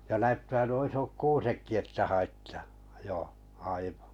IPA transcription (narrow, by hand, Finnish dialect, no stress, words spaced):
jɑ næytːæː nuo isok kuːsekːi etːæ hɑitːɑ̥ː joˑ ɑiʋɑ̥